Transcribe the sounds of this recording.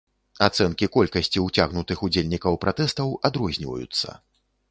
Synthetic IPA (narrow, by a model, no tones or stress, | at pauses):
at̪sɛnkʲikɔlʲkɐsʲt͡sʲiwt͡sʲaɣnut̪ɨxud͡zʲelʲnʲikɐwpɾʔat̪ɛst̪ɐwad̪ɾɔzʲnʲivɐ̰jṵt̪sːɐ̰